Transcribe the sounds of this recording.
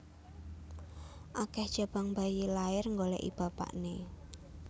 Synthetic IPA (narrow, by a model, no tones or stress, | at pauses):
ʔakɛhd̥ʒ̥a̤b̥aŋmbajilaɪrŋɡolɛ̰ʔḭb̥a̤pa̰ʔne